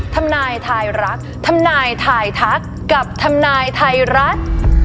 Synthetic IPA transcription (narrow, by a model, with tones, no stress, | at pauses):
t̪ʰa˧mnaː˧jt̪ʰaː˧jɾa˦˥k̚t̪ʰa˧mnaː˧jt̪ʰaː˧jt̪ʰa˦˥kːa˨˩p̚t̪ʰa˧mnaː˧jt̪ʰa˧jɾa˦˥t̪̚